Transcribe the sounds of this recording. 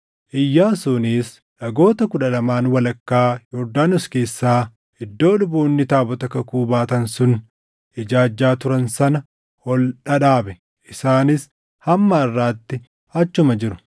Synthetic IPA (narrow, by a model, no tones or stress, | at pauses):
ʔɪjːaːsʊniːs | ᶑɐɡo̞ːt̪ɐkʊᶑɐlɐmaːnwɐlɐkːaːjɔɾd̪aːnʊske̞ːsːaː | ɪd̪ːo̞ːlʊboːnːɪt̪aːbɔt̪ɐkɐkuːbaːt̪ɐnsʊn | ʔɪd͡ʒaːd͡ʒːaːt̪ʊɾɐnsɐnɐ | hɔlᶑɐᶑaːbɛ | ʔɪsaːnɪs | hɐmːɐɐrːaːt̪ːɪ | ɐt͡ʃːʊmɐd͡ʒɪɾʊ̥